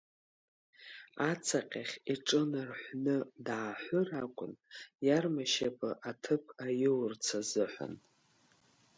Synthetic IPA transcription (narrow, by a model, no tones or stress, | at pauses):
at͡sʰaqʲʼaχʲiʈ͡ʂʼɨnɨrħʷnɨdʕaħʷʊrakʷʼʊnjarmaʃapʰʼaʔatʰɨpʰajɪwrt͡sʰazɨħʷa̰n